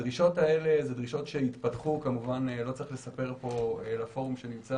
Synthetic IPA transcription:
dʁiʃo̞tae̞le̞zedʁiʃo̞tʃe̞it̪patχukamuvanlo̞t͡seiχle̞sape̞ʁpo̞elafo̞ʁmʃe̞nimt͡sa

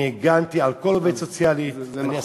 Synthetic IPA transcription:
eɡant̪ialkɔlobet̪sot̪sjaːli

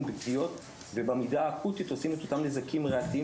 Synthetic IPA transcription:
bikdijo̞t̪ | ve̞bamidaːkut̪ito̞sime̞t̪o̞tamlezakimʁaat̪ii

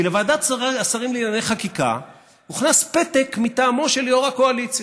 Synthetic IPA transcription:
ilevaːd̪asasaʁimlinanejχakika̰ | uχnaspe̞t̪ekmit̪aːmo̞ʃe̞ljoʁakoalit͡s

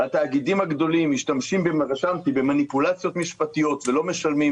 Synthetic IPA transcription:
hat̪aːɡid̪imhaɡd̪o̞limːiʃtamʃimbe̞maʁʃamt̪ibemanipulat͡sjo̞t̪miʃpat̪ijo̞t̪ve̞lo̞me̞ʃalmim

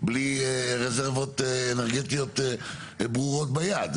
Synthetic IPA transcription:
bliʁezeʁvot̪eneʁɡet̪ijot̪ | bʁuʁot̪̚bajad̪

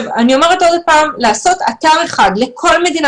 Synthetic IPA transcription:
vanio̞meʁeto̞dpaːmlaːso̞t̪at̪aʁe̞χad̪le̞kʰo̞lme̞d̪in

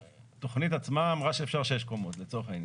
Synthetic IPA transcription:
t̪o̞χnit̪at͡smaːmʁaʃeːfʃaʁʃeeʃkomot̪let͡so̞eχain

